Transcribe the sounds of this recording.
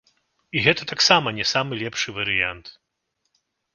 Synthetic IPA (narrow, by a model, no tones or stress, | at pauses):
iɣɛt̪ɐt̪aksamɐnʲɛsamɨlʲɛpʂɨvɐɾɨjant̪